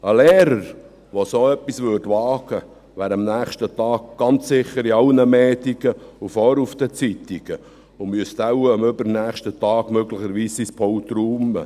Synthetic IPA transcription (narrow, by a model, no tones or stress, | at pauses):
əlɛːɾəɾ | ʋosoːɛpːisʋʏːɾdʋɑːɡ̥ə | ʋæːɾɑmnæːχʃtət̪ɑːk̚ɡ̥ɑnt͡ssɪχəɾiɑlnəmɛːt̪iɡ̥əufɔːɾufd̥̪ət͡sit̪iɡ̥ə | ʊmyəst̪awəmʏbəɾnæːχʃtət̪ɑːɡ̥møɡlɪxəɾʋiːsispʰɔwt̪ɾuːmə̰